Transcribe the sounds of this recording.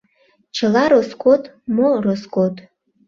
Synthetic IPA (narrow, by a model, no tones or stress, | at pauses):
t͡ʃʰɨlaɾoskʷʰʼotʼmoroskʷʰʼotʼ